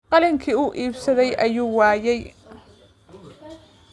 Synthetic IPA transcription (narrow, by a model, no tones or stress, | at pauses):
qɑlɪŋkʰiːʊʔiːbsɐðɛjʔɐjuːwɑːjɛj